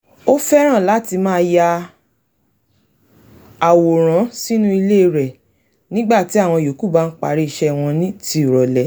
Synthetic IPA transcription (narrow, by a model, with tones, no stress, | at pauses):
o˦fɛ˦ɾ̃ã˦˨la˨˦ti˧mãː˦ja˧ | a˨wo˨ɾ̃ã˨˦si˦nũ˦i˧le˦˧˨ɾɛ˨ | nĩ˦ɡ͡ba˦˨ti˨˦a˦˨w̃ɔ̃˧˨jo˨˦ku˦˨ba˨˦n̩˦k͡pa̰˨ɾi˦i˦˨ʃɛ˦˨w̃ɔ̃˧nĩ˦ti˧˦˨ɾɔ˨lɛ˨˦